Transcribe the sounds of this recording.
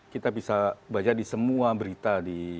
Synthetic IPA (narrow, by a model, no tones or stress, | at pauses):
kit̪abisabad͡ʒadisəmuabəɾit̪adi